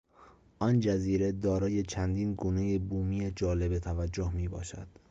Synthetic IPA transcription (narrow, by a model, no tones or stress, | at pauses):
ʔɒnd͡ʒæziːɾed̪ɒːɾɒːje̞t͡ʃʰænd̪iːnɡuːne̞jebuːmijed͡ʒɒːle̞bet̪ʰævæd͡ʒːohmiːbɒ̰ːʃæ̰d̪̥